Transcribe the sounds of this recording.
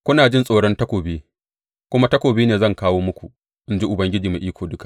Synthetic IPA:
kʷʊ˦naː˨d͡ʒɪ˦nsʼoː˨ɽɔ˦ntɐ˦kʷoː˨beː˦ | kʷʊ˦ma˦tɐ˦kʷoː˨biː˦neː˨zɐ˦˨ŋkaː˦woː˦mʊ˦kʷu˨ | ʔɪ˦nd͡ʒi˦ʔʊ˨bɐ˦ŋɡʲɪ˦d͡ʒiː˨ma˨ʔiː˦kʷoː˨dʊ˦ka˨ʔ

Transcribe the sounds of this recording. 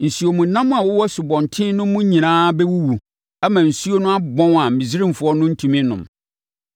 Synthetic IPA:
n̩˨su˨˦o˨mũ˨nã˦m̃˦a˨wʊ˦wɔ˦sʊ˨bɔ̃˨n˨tʰɪ̃˦nʊ̃˦mʊ̃˦ɲĩ˨nãː˦bɛ˦wu˦wu˨ | æ˦mã˨n̩˨su˦o˦nʊ̃˦a˦bɔ̃˦na˨m̩˨mĩ˨zi˦ɾĩ˦m˨fʊ˨˦ɔ˦nʊ̃˦n̩˦tʰũ˨mɪ̃˦nʊ̰̃˨m

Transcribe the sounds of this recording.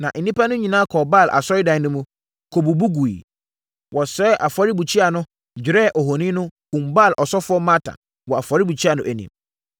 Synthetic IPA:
nã˨ʔn̩˨nĩ˦pa˦nʊ̃˦ɲĩ˨nãː˦kʰɔ˨ba˦˨lʔa̰˨sɔ˦ɾɪ˦dã˨nʊ̃˦mũ˦ | kʰo˨bu˨bu˦ɡu˨ḭ˨ | wɔ˨sɛ˦ʔa˨fɔ˨ɾi˦bu˨t͡ɕʰi˦a˨nʊ̃˦ | d͡ʑᶣɪ˨ɾɛ˦˨ʔɔ˨ho˨nĩ˦nʊ̃˦kũ˨mba˦˨lʔɔ˨sɔ˦fʊ˦ɔ˦mã˦tʰã̰˨ | wɔ˨a˨fɔ˨ɾi˦bu˨t͡ɕʰi˦a˨nʊ̃˦ʔæ˨nḭ̃˨m

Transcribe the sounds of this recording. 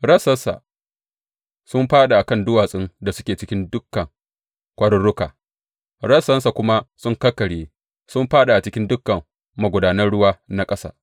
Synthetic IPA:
ɾɐ˦sɐ˦nsa̰˨ | sʊ˦mɸaː˦ɗa˨ʔa˨kɐ˦˨ndʊ˦waː˨sʼɪ˦ŋda˨sʊ˦kʲeː˨t͡ʃɪ˦kʲɪ˦ndʊ˦kːɐ˨ŋ | kʷɐ˦ɽʊ˦ɽʊ˦ka̰ː˨ | ɽɐ˦sɐ˦nsa˨kʷʊ˦ma˦sʊ˦ŋkɐ˦kːɐ˨ɽjeː˦ | sʊ˦mɸaː˦ɗa˨ʔa˨t͡ʃɪ˦kʲɪ˦ndʊ˦kːɐ˨m | ma˨ɡʷʊ˨daː˨nɐ˦rɽʊ˦waː˦na˦kʼɐ˦sa̰ː˦

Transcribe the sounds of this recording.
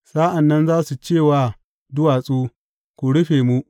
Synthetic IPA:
saː˦ʔa˨nːɐ˦nzaː˦su˨t͡ʃeː˦˨waː˨ | dʊ˦waː˨sʼuː˦ | kʷu˨ɽʊ˦ɸeː˨mu˦ʔ

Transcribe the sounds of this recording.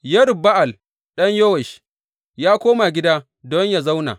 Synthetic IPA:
jɐ˦ɽba˦ʔa˨l | ɗɐ˦ɲjo˦wɛ˨ʃ | jaː˦kʷoː˦ma˨ɡʲɪ˦daː˦ | dɔ˦ɲja˨za˦wna̰ː˨

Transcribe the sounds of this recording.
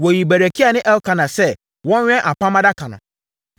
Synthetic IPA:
wɔ˨ji˨bæ˨ɾæ˨kʰi˦a˨nɪ̃˦ʔɛ˦lkʰã˨nã˨sɛ˦ | wɔ̃˦ɲᶣ˦ɛ̃˦ʔa˨pʰã˦mã˦da˦kʰã˨nã̰˨

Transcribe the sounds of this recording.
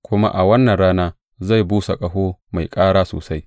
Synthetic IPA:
kʷʊ˦ma̰˦ʔa˨wɐ˦nːɐ˨nɽaː˦naː˦ | za˦˨jbuː˦sa˨kʼɐ˦ɦoː˦ma˨jkʼaː˦ɽaː˦so̰ː˨sa˦j

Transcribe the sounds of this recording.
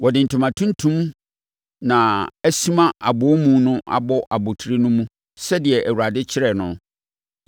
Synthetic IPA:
wɔ˨dɪ̃˨n̩˨tʰʊ̃˨mã˨tʰũ˦n˦tʰũ˦m | nã˨æ˦si˦mã˦ʔa˨bʊ˨˦mũ˦nʊ̃˦ʔa̰˨bɔ˦ʔa˨bʊ˨tʰɾi˦nʊ̃˦mũ˦ | sɛ˦dɪ˨ɛ˨ʔæ˨wu˨ɾa˨dɪ˦t͡ɕʰɪ˦ɾɛ˨nʊ̃˦

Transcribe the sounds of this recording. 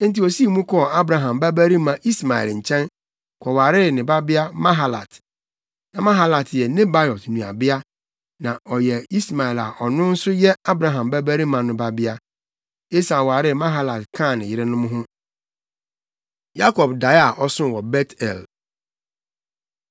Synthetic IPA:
n̩˦ti˨ɔ˨si˦˨mũ˦kʰɔ˦˨a˦bɾã˨ɦã˨mbæ˦bæ˦ɾi˦mã˨ʔi˦sma˨ɛ̰˨lɲ̩˨t͡ɕʰɛ̃˦n | kʰɔ˨wa˨ɾɪ˦˨nɪ̃˨ba˦bɪ˦a˦mã˦ɦa˨la̰˨t | nã˨mã˦ɦa˦la˨tʰjɛ˨nɪ̃˦ba˦jɔ˨tnũ˨a̰˨bɪ˦a˦ | nã˨ʔɔ˨jɛ˨i˦sma˨ɛ˨la˨ʔɔ˨nʊ̃˦n̩˦sʊ˦jɛ˦a˦bɾã˨ɦã˨mbæ˦bæ˦ɾi˦mã˨nʊ̃˨ba˦bɪ˦a˦ | e˦sa˨wa˨ɾɪ˦˨mã˦ɦa˦˨la˨tkʰã˦˨nɪ̃˨jɪ˦ɾɪ˦nʊ̃˦mʊ̃˦ɦʊ̃˦ | ja˦kʰɔ˨bda˨˦ja˨ʔɔ˦sʊ̃˦˨wɔ˨bɛ˦tʰɛ̰˨l

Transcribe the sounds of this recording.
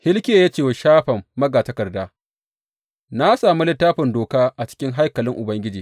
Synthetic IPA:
hɪ˦lkʲeː˦˨jaː˦t͡ʃeː˦˨wʃaː˦ɸɐ˨mːɐ˦ɡaː˨tɐ˦kɐ˨rdaː˦ | na˦saː˨mu˦lɪ˦tːaː˦ɸɪ˨ndoː˨kaː˦ʔa˨t͡ʃɪ̥˦kʲɪ˦ŋɦa˦jkɐ˨lɪ˦ŋʔʊ˨bɐ˦ŋɡʲɪ˦d͡ʒiː˨

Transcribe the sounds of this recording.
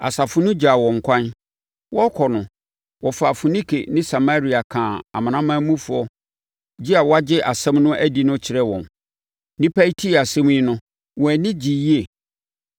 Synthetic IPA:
a̰˨sa˨fʊ˦nʊ̃˦d͡ʑa˨wɔ̃˨ŋ̩˨kʷʰã˦n | wɔ˦kʰɔ˨nʊ̃˨ | wɔ˨fa˨fu˨nĩ˦kʰḛ˨nɪ̃˦sa˨ma˦ɾi˦a˨kʰãː˨a̰˨mã˨nã˦mã˦mũ˦fʊ˨ɔ˦ | d͡ʑɪ˦a˨wɔ˦a˦d͡ʑɪ˦ʔa˨sɛ̃˦mnʊ̃˦ʔæ˦di˨nʊ̃˦t͡ɕʰɪ˨ɾɛ˦wɔ̰̃˨n | nɪ̃˦pʰæ˦i˦tʰi˦˨a˨sɛ̃˦m̃˦ɪ˦nʊ̃˦ | wɔ˨æ˨nɪ̃˦d͡ʑi˨ji˦e˨

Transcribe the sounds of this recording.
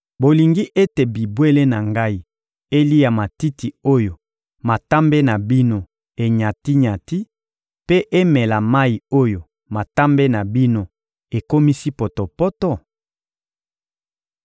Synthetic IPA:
bo˨li˨ŋɡi˦ʔe˦te˨bi˨bwe˦le˦na˨ŋɡa˦i˦ | e˦li˦ja˨ma˨ti˦ti˨o˦jo˨ | ma˨ta˦mbe˦na˨bi˦no˦ | e˨ɲa˨ti˦ɲa˨ti˦ | pe˦ʔe˦mɛ˨la˨ma˦i˨o˦jo˨ | ma˨ta˦mbe˦na˨bi˦no˦ | e˨ko˦mi˦si˦po˨to˨pɔ˦tɔ˦

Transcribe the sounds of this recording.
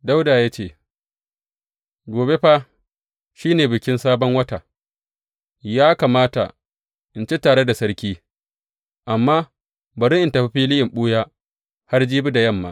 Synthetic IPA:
da˦wdaː˨jaː˦t͡ʃeː˦˨ | ɡʷoː˨be˦ɸa˦ | ʃiː˦neː˨bɪ˨kʲɪ˦nsaː˦bɔ˦ŋwɐ˦ta˨ | jaː˦kaː˨maː˦ta̰˨ | ʔɪ˨nt͡ʃe˦taː˨ɽe˦da˨sɐ˦ɽkʲiː˦ | ʔa˨mːaː˦ | bɐ˨ɾɪ˦ʔɪ˨ntɐ˨ɸi˦ɸiː˦lɪ˦jɪ˨mɓuː˦jaː˦ | ha˦rd͡ʒiː˦bu˦da˨jɐ˦˨mːa̰ː˦ʔ

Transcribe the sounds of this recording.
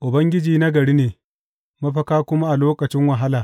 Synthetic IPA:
ʔʊ˨bɐ˦ŋɡʲɪ˦d͡ʒiː˨na˦ɡɐ˨ɽiː˦neː˨ | mɐ˦ɸɐ˦kaː˦kʷʊ˦ma˦ʔa˨loː˦kɐ˨t͡ʃɪ˦ŋwɐ˨ɦa˦laː˨

